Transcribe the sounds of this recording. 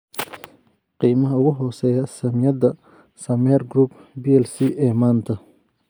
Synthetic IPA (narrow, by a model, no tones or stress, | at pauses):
qiːmɐɦɐʊɣʊɦɔːsɛːjɐsɐmjɐd̪ɐ | sɐmɛːrɡɾuːbbiːɛlsiːʔɛːmaːnt̪ʰɐ